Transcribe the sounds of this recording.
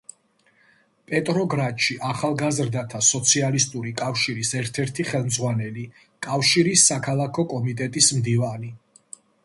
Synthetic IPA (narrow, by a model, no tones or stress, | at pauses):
pʼɛt̪ʼɾɔɡɾat̪ʃiʔaχalˠɡazɾd̪at̪ʰasɔt̪sʰialist̪ʼuɾikʼafʃiɾisɛɾt̪ʰɛɾt̪ʰiχɛlˠmd̪zʁwanɛli | kʼafʃiɾisːakʰalˠakʰɔkʼɔmit̪ʼɛt̪ʼismd̪ivani